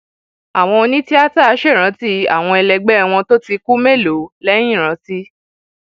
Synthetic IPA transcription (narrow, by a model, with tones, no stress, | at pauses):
a˨w̃ɔ̃˧o˧nĩ˦ti˦a˦ta˦˨a˨˦ʃɛ˦˨ɾ̃ã˨˦ti˦a̰˨w̃ɔ̃˧ɛ˧lɛ˧ɡ͡bɛ˦˧w̃ɔ̃˧to˦ti˧ku˦me˦˨lo˨˦lɛ˦j̃ĩ˦˨ɾ̃ã˨˦ti˦